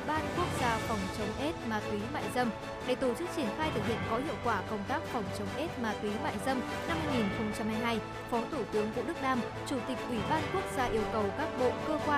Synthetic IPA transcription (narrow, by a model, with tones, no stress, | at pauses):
ɓaː˧ku˦˥ək̚z̥aː˧fa˨˩wŋ͡mt͡ɕə˨˦wŋ͡mʔe˦˥t̚maː˨˩t̪wi˨˦ma̰ː˧˨jzə˧m | ɗe˧˩t̪o˧˩t͡ɕɨ˦˥k̚t͡ɕi˧˩ənxaː˧jt̪ʰɨ˨˩k̚hḭ˧˨ənkɔ˨˦ɦḭ˧˨əwkwaː˧˩kə˧wŋ͡mt̪aː˦˥k̚fa˨˩wŋ͡mt͡ɕə˨˦wŋ͡mʔe˦˥t̚maː˨˧˩t̪wi˨˦ma̰ː˧˨jzə˧m | na˧mːa˧jŋi˨˩nxə˧wŋ͡mt͡ɕa˧mhaː˧jɦaː˧j | fɔ˨˦t̪ʰu˧˩t̪ɨ˨˦əŋkṵ˧əɗɨ˦˥k̚ɗaː˧m | t͡ɕu˧˩t̪ï˨˩k̟̚ʔwi˧˩ɓaː˧nku˦˥ək̚zaː˧ʔi˧əwkə˨˩wkaː˦˥k̚ɓo̰˧˨kəː˧kwaː˧